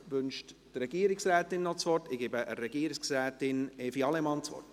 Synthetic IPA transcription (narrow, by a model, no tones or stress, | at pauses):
ʋʏnʃttrɛɡ̥iəɾɪksrɛːt̪ɪnːɔt͡sʋɔrtɪɡ̥ebəʔəɾɛɡ̥iəɾɪksrɛːtɪnefiɑlɛmɑnt͡sʋɔ̰rt